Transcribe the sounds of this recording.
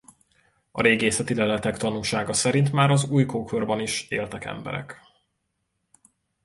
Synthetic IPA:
ɒ̰ɾeːɡeːsɛt̪ilɛlɛt̪ɛkt̪ɒnuːlʃaːɡɒsɛɾint̪maːɾɒzuːjkoːkʰørbɒniʃḛːlt̪ɛkɛ̰mbɛ̰ɾɛ̰k

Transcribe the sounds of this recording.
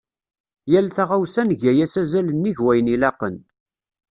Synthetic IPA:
jælθæʁawsænʝæjæsæzælənːiʝwæjənilɑqːən

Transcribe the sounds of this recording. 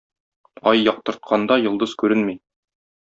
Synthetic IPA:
ɒjːɒq̚t̪ɤ̆ɾt̪̚qʰɑnd̪ɑjŏlˠd̪ɤz̥kʉɾɘnmij

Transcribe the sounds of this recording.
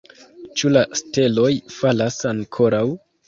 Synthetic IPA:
t͡ʃulaste̞lo̞jfalasaŋkʰo̞ɾaw

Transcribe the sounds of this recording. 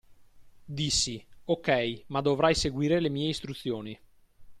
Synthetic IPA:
d̪isːiokɛjmad̪ːovɾajseɡwiːɾelemiːeist̪ɾut̪sːjoːni

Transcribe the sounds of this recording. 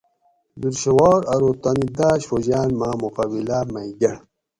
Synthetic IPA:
biɾɕewaːɾɐɾot̪ɐnid̪aːɕfoʑaːnmaːmukabilaːmɐiɡɐɽ

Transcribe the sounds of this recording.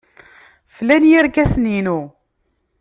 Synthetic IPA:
flænjiɾkæsninu

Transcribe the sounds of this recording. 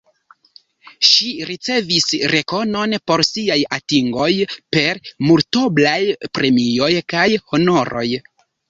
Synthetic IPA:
ʃiɾit͡se̞visɾe̞ko̞no̞npo̞ɾsiajatiŋɡo̞jpe̞ɾmulto̞blajpɾe̞mio̞jkajho̞no̞ɾo̞j

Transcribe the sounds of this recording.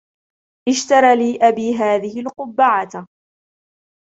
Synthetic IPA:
ʔɪʃt̪ɑɾˤɑːliːʔabiːɦaːðɪɦɪlqʊbːaʕat̪

